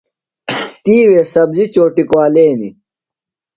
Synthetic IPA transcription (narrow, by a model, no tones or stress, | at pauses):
t̪iːwesɐbzit͡ɕoːʈikwaːleːnḭ